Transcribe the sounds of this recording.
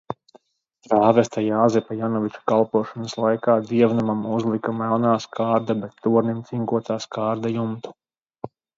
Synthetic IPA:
t̪ɾaːvɛst̪ajaːzɛpajanɔvit͡ʃu̥kalˠpuɔʃɔnəslˠajkaːd̪iɛvnamamuzlˠikamɛlˠnaːskaːɾd̪abɛt̪ːuɔɾnimt̪siŋkuɔt̪aːskaːɾd̪ajumt̪u̥

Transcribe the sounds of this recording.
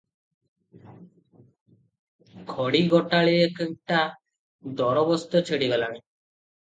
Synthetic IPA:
kʰɔɽiɡɔʈaɭeekek̚ʈa | d̪ɔɾɔbɔst̪ɔt͡ʃʰeɽiɡɔlañe

